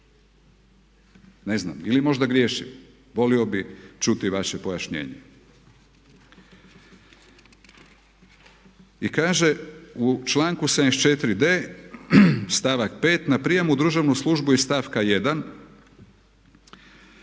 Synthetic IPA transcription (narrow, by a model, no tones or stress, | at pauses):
ne̞zna̰milimo̞ʒd̪aɡɾjeːʃḭm | ʋo̞lio̞bit͡ʃut̪iʋaʃepo̞jaʃɲḛːɲḛ | ikaːʒe̞ut͡ʃlˠaːŋkused̪nest͡ʃet̪ɾid̪eː | st̪aʋakpeːt̪napɾijemud̪ɾuʒaʋnuslˠuʒbuist̪aːfkajed̪an